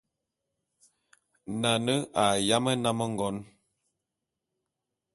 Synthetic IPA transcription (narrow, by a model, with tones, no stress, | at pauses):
na˨nə˦ʔa˨ja˦mə˦na˦mə˦ŋ̩˦ɡɔ˨˦n